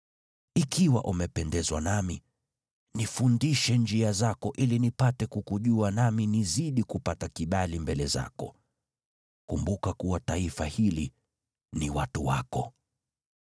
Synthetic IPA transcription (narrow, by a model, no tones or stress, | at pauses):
ikiwa̰ʔumɛpɛndɛzwanami | nifundiʃɛnd͡ʒiazakɔʔilinipatɛkukuʄuanaminiziɗikupatakiɓalimbɛlɛza̰kɔ̰ | kumbukakuwataifahili | niwatuwa̰kɔ